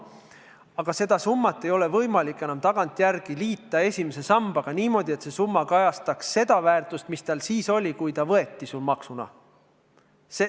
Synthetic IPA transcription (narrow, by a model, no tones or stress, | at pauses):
ɑɡ̥ɑse̞d̪ɑsumːɑt̪ːˑe̞jo̞le̞vɤjmɑlikːˑe̞nɑmt̪ɑɡ̥ɑnt̪ːˑjærɡ̥iliːt̪ːˑɑe̞sʲimese̞sɑmb̥ɑɡ̥ɑniːmo̞d̪̥ʲie̞t̪se̞sumːɑkɑjɑst̪ɑksːe̞d̪̥ɑvæːrt̪ˑust̪mist̪ɑlsiːso̞lʲikujt̪ɑvɤ̞e̞t̪ːisulmɑksunɑ̰ | se